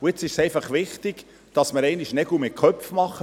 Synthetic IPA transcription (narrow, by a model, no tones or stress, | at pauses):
ʊɪt͡sɪʃsɛɪfɑχʋɪχt̪ɪɡ̥ | d̥ɑsməɾɛɪnɪʃnɛɡumɪkʰœpfmɑχə